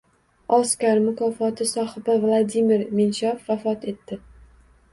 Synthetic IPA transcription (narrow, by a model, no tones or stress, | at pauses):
ɒskʲaɾmʊkʰɒfɒt̪ʰɪsɒhɪbavlˠad̪imɪɾmenʃɑfːafɒt̪ʰe̞t̪ːɪ